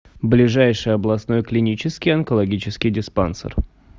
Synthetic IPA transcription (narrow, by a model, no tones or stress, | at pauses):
blʲɪʐajʂɨjəɐblˠɐsno̞jklʲɪnʲit͡ɕɪskʲɪjɐnkəlˠɐɡʲit͡ɕɪskʲɪjdʲɪspansə̰r